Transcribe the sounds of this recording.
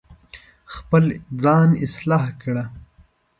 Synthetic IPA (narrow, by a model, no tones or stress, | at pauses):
xpəld͡zɑːnɪslɑːhkɽa